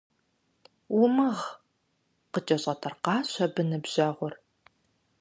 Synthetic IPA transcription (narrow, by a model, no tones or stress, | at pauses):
wʊmɐʁ | qət͡ʃʼɐɕʼɐtʰɐrqɑːɕʷɐbɨnɨbʑ̥ɐʁʷʊr